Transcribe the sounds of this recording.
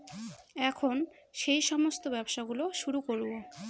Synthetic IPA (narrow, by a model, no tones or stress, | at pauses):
ɛkʰon | ʃejʃɔmost̪obɛbʃaɡuloʃuɾukoɾuo